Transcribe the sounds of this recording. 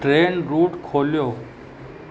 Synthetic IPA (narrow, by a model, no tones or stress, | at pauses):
ʈɾeːnɾuːʈkʰoːljoː